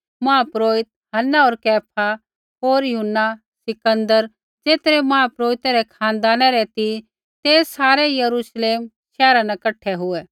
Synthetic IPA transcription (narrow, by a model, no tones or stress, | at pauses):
mãːpɾoːɪt̪̚ | ɦɐnːaoːɾkɛːpʰa | oːɾjʊɦʊnːa | sɪkə̃nd̪əɾ | d͡zeːt̪ɾɛmãːpɾoːɪt̪ɛɾɛkʰãːnd̪aːnɛɾɛt̪i | t̪eːsaːɾɛjɐɾuʃleːm | ʃɛːɾanɛkɐʈʰɛɦʊɛː